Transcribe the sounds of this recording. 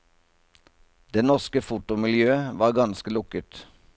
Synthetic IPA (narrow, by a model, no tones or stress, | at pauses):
d̪eːnɔʁskəfʊt̪ʊmɪljøːəʋɑːʁɡɑnskəlʊkət̪